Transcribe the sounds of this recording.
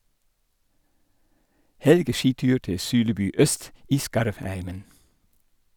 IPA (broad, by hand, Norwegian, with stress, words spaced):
ˈhɛlɡəˌʃiːˌtʉːɾ ˈtɪ ˈsʉːləˌbʉː ˈœst ˈiː ˈskɑɾʋˌhæɪmən